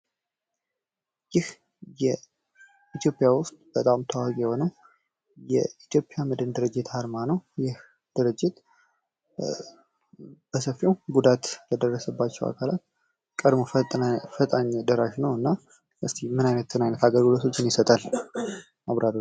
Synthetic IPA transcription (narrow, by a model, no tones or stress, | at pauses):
jɪh | jɛ | it̪ʰjo̞pʼjawʊst̪ʼb̥ət̪ʼamt̪ʰəwakʼjɛho̞nəw | jɛ̰it̪ʰjo̞pʼjamɨd̪ɨnd̪ɨɾɨd͡ʒːɪt̪haɾmanəwjɪh | d̪̥ɨɾɨd͡ʒːɪt̪ | b̥əsəfːiowɡud̪at̪ləd̪ərːəsəbːat͡ʃːɛwa̰kʰalat̪ | kʼəd̪mofət̪ʼaɲːd̪əɾaʃnəwɨnːa | ʔɨst̪ʰimɨnajnət̪ʰːɨnajnət̪ʰaɡəlɡɨlo̞t̪ʰo̞t͡ʃːɪnjɪsət̪ʼal | ʔaβɾaɾ